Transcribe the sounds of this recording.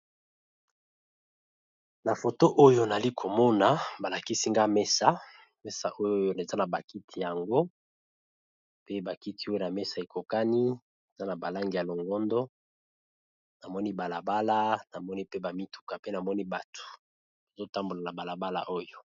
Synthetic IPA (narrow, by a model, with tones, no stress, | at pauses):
na˨fo˨to˦ʔo˦jo˨na˨li˦kʰo˨mɔ˦na˨ba˨la˨ki˦si˦ŋɡa˦me˦sa˨˦ | me˦sa̰˨ʔo˦jo˦ne˨za˦na˨ba˨ki˦tʰi˨ja˨ŋɡo˦ | pe˦ba˨ki˦ti˦o˦jo˨na˨me˦sa˨e˨kʰo˨ka˦ni˦ | e˨za˦na˨ba˨la˦ŋɡi˨ja˨lo˨ŋɡɔ˦ndɔ˦ | na˨mɔ˦ni˦ba˨la˨ba˦la˦na˨mɔ˦ni˦pe˦ba˨mi˦tu̥˨ka˨pe˦na˨mɔ˦ni˦ba˨tʰo̥˨ | ba˨zo˦ta˦mbo˨la˨na˨ba˨la˨ba˦la̰˨ʔo˦jo˨